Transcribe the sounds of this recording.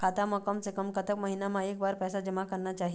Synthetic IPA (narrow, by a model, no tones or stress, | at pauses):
kʰat̪aməkəmsekəmkət̪əkməɦinamãek̚baɾpɛsad͡ʑəmakəɾnat͡ʃaɦi